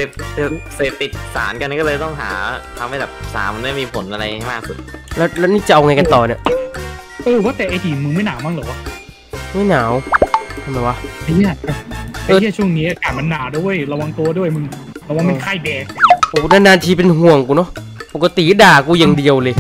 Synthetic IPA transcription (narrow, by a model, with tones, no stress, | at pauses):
seː˨˩p̚se˧˩seː˨˩p̚t̪i˨˩t̪̚saː˩˦nka˧nkɔː˥˩lɤː˧jt̪ɔ˥˩ŋɦa̰ː˩˦t̪ʰa˧mha˥˩jbɛː˨˩p̚sa̰ː˩˦nma˧naː˥˩miː˧pʰo˨˩˦nʔa˧ɾa˧jjmaː˥˩k̚su˨˩t̪̚lɛ˦˥wlɛ˦˥niː˥˩t͡ɕa˨˩ʔa˧wŋa˧jka˧nt̪ɔː˨˩ni˧˩ə | ʔɤː˧waː˥˩t̪ɛː˨˩ʔeː˧diː˨˩˧mɯ˧ŋma˥˩jnaː˩˦wmaː˥˩lɤː˨˦wa˧˩ | ma˥˩jnaː˩˦wt̪ʰa˧˩ma˨˩wa˦˧˩ʔa˧ji˥˩˧ʔa˧ɤː˧ji˧˥˩t͡ɕʰu˥˩ə˨˩ŋniː˦˥ʔa˧˩kaː˨˩t̚ma˧nːaː˩˦wdu˥˩əjɾa˧wa˧ŋt̪u˧ɐdu˥˩əjmɯ˧ŋ | pʰɛː˨˧˩waː˧˥˩ma˧˩kʰa˥˩jbɛː˨˧k̚o˨˩˦na˦˥˩naː˧nt̪ʰiː˧pe˧nɦu˨˩əŋkuː˧nɔ˦˥po˨˩kːa˧t̪i˨˩˦daː˨˩kuː˧ja˨˧ŋdi˧əwlɤː˧